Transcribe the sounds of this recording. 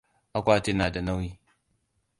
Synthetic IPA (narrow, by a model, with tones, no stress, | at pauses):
a˨kʷa˦ti˦na˨da˨na˦wi˦